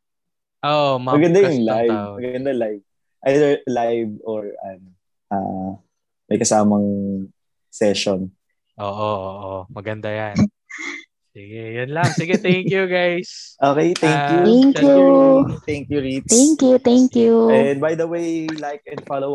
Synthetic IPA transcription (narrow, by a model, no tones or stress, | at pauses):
ʔoʔmmɐɡɐnd̪ajʊŋlajvmɐɡɡɐnd̪ɐlajv̚ | ʔajd̪əɹlajvɔɹʔɐ̰no | ʔa̰ː | mɐ̰jkɐsaːmɐŋ | sɛʃon | ʔoːʔooʔomɐɡɐnd̪ajan | sɪɡɛjʊnlaŋsɪɡɛt̪ɛŋjuɡajsʔoːkɛjt̪ɛŋkjuŋkjut̪ɛŋkjuɹit̪ɛŋkjut̪ɛŋkjuɛnbajd̪ɐwejlajk̚ɛ̃nfalow